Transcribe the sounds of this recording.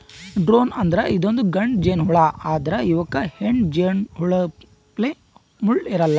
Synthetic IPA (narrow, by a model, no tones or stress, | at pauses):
ɖɾoːnɐnd̪ɐɾɐʔid̪ond̪uɡɐɳɖd͡ʒeːnɦuɭaaːd̪ɐɾɐiʋɐkːɐheɳd͡ʒeːnɦuɭɐ | ple | muɭiɾɐlːɐ